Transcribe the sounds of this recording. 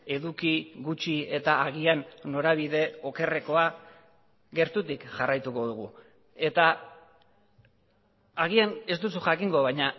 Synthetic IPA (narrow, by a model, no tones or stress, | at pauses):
e̞ðukiɣut͡ʃie̞t̪aːɣianːo̞ɾaβiðe̞o̞ke̞re̞ko̞a | ɣe̞ɾt̪ut̪ikʝarajt̪uko̞ð̞uɣ̞u | e̞t̪a | ɣiane̞st̪usuʝakiŋɡo̞βajɲa